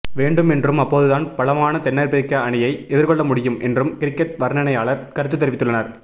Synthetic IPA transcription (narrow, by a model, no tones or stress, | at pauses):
ʋeːɳɖɯmɛndrɯmɐpːoːðɯðaːnpɐlɐmaːnɐt̪ɛnːɐɾpɪɾɪkːɐɐɳɪjɐɪɛðɪɾkɔɭːɐmʊɽɪjɯmʔɛ̰ndrɯmkɪɾɪkːɛʈ̚ʋɐɾnɐnɐɪaːɭɐɾkɐɾɯt̪ːɯt̪ːɛɾɪʋɪt̪ːɯɭːɐnɐɾ